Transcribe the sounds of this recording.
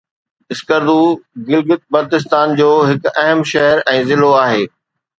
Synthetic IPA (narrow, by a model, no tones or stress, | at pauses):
ɪskəɾd̪uːɡɪlɡɪt̪̚bɐɾt̪ɪs̬t̪aːnd͡ʑoːɦɪkɐɦəmʃɛɦəɾɛ̃ːzɪloaːɦeː